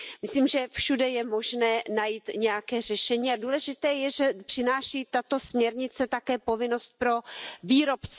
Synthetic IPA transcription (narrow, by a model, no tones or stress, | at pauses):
mɪsliːmʒɛfʃudɛjɛmo̞ʒnɛːnajiːt̪ɲɛjakɛːr̝ɛʃɛɲiːaduːlɛʒɪt̪ɛːjɛʒɛpr̥ɪnaːʃiːt̪at̪o̞smɲɛɾɲɪt͡sɛt̪akɛːpo̞vɪno̞st̪̚pɾo̞viːɾo̞pt͡sɛ